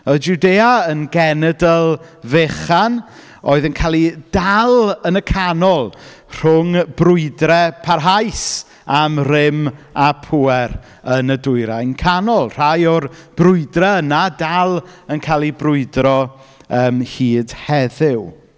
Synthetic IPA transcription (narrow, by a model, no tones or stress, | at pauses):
əd͡ʒudeːaənɡɛnɛdəlˠ | veχan | o̰ːɨðənkʰaːlˠid̥alˠənəkʰanɔlˠ | r̥ʊŋbrʊɨdrɛpʰarɦajs | amrɪmapʰuɛr | ənədʊjɾajnkʰanɔlˠr̥ajɔrb̥rʊɨdrɛənadalˠənkʰaːlˠibrʊɨdrɔ | əːmhiːdhɛðɪw